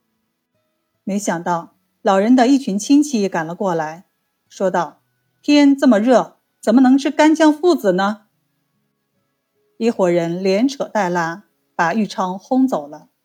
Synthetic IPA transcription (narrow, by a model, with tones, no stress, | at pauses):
me˧˥ɪɕjɑ˨˩ŋt̪ɑ˥˩ʊ | lɑ˨˩ʊɻə˧˥nd̪ə˧i˥˩t͡ɕʰy˧˥nt͡ɕʰi˥ŋt͡ɕʰi˧˥ka˨˩nlə˦kwɔ˥˩la˧˥ɪ | ʂwɔ˥t̪ɑ˥˩ʊ | t̪ʰjɛ˥nt͡sɤ˥˩mə˩ɻɤ˥˩ | t͡sə˨˩nmə˧nɤ˧˥ŋʈ͡ʂ̩ʰ˥˧ka˥nt͡ɕjɑ˥˧ŋfu˥˩t͡sɹ̩˨˩nə˧ | i˥˩xwɔ˨˩ɻə˧˥nljɛ˧˥nʈ͡ʂʰɤ˨˩t̪a˥˩ɪla˥ | pa˨˩y˥˩ʈ͡ʂʰɑ˥ŋxʊ˥ŋt͡so˨˩ʊlə˦